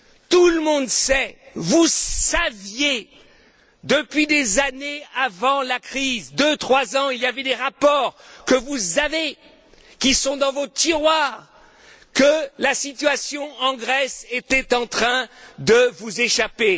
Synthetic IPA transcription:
t̪uləmɔ̃d̪sɛvusavje | d̪əpɥid̪ezaneavɑ̃lakχizd̪ət̪χwazɑ̃iljavɛd̪eʁapɔʁkəvuzave | kʲisɔ̃d̪ɑ̃vot̪iʁwaːʁ | kəlasit̪ɥasjɔ̃ɑ̃ɡʁɛset̪ɛt̪ɑ̃t̪χɛ̃d̪əvuzeʃape

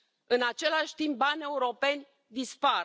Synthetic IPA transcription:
ɨnat͡ʃe̞laʃʲt̪imp̚banʲe̞uɾo̞pe̞nʲ | d̪ispa

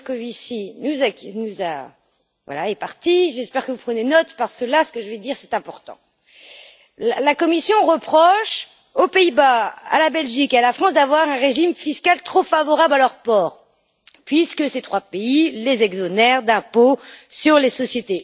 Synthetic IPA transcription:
kɔvisinuzaknuza̰ | vwa̰laepaʁt̪iʒɛspɛʁkəvupχənenɔt̪paʁsə̥kəlasə̥kəʒəvɛd̪iʁsɛ̥t̪ɛ̃pɔʁt̪ɑ̰̃ | lalakɔmisjɔ̃ʁəpχɔʃ | opeibaa̰labɛlʒikealafχɑ̃sd̪avwaʁɛ̃ʁeʒimfiskalt̪χofavɔʁablalœʁpɔːʁ | pɥiskəset̪χwapeilezɛɡzɔnɛʁd̪ɛ̃posyʁlesɔsjet̪e

